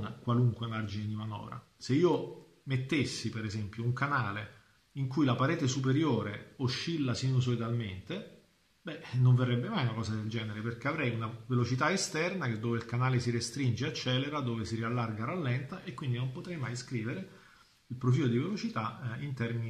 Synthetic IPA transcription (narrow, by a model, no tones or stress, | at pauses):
nakwaluŋkwemard͡ʒined̪imanɔ̰ːɾa̰ | seiːo | met̪ːesːipeɾezɛmpjouŋkanaːle | iŋkujlapaɾɛːt̪esup̬eɾjoːɾeoʃːilːasinus̬olid̪alment̪e | bɛnoɱverːɛbːemajunakɔːzad̪eld͡ʒɛːneɾeperk̟eavɾɛjunavelot͡ʃit̪aest̪ɛrnak̟ed̪ːoːveilkanaːlesiɾest̪ɾind͡ʒeat͡ʃːɛːleɾad̪oːvesiɾialːarɡaɾalːɛnt̪aʔekːwind̪inompot̪ɾɛjmajskɾiːveɾe | ilpɾofiːlod̪ivelot͡ʃit̪aint̪ɛrmini